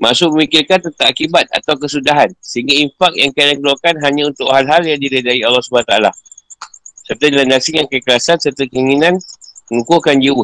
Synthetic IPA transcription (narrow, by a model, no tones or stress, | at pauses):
masʊk̚bəmikɪrkant̪ənt̪aʔakibat̪̚a̰t̪awkəsudaɦansəɦiŋɡainfak̚jaŋkadaŋkəluakanɦaɲãunt̪ʊkhalɦaljaŋdiɾədaiɑlːɔhsubanat̪aala | sərt̪adilandasiŋankəkəɾasansərt̪akəiŋinãnməŋukukand͡ʒiwʊ